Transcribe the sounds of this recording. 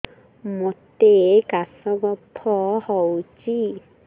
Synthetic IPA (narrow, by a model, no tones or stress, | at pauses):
mot̪ekasɔɡɔpʰːɔhɔwt͡ʃi